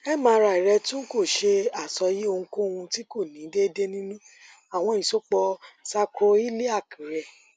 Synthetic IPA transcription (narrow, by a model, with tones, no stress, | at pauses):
ɛ˦mãː˨˧˦ɾa˧˨i˨ɾɛ˧tũ˦ko˦˨ʃe˧a˨sɔ˧˦ji˦o˧ŋũ˧ko˦˧hũ˧ti˦ko˦˨nĩ˨˦de˦de˦nĩ˦nũ˦ | a˨w̃ɔ̃˧˨ĩ˨so˦k͡pɔ˧sa˧kʰo˧i˦le˦a˦˨kʰĩ˨˦ɾɛ˨